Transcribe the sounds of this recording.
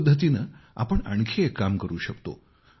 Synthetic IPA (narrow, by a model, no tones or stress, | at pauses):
d̪ʱːət̪̬inəa̰pəɳa̰ɳkʰiekːamkəɾuːɕəkt̪o̰